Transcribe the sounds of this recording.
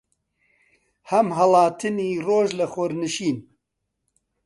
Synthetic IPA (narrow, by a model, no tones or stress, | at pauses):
hɐmɦɐlɑːt̪ʰɨniːroːʒlɨxʊɾnɨʃiːn